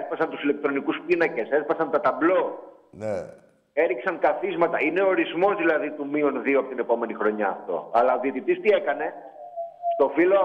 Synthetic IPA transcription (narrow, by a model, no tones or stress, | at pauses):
spɐsɐnt̪usile̞k̚t̪ɾo̞nikuspinɐce̞se̞spɐsɐnt̪ɐt̪ɐblo̞ | ne | e̞ɾiksɐŋkɐθizmɐt̪ɐine̞oɾizmo̞zðilɐðit̪umionðioɐpot̪ine̞po̞me̞nixɾo̞ɲɐːft̪o̞̰ɐlɐoðiet̪it̪ist̪ie̞kɐne̞ | st̪o̞filoɐ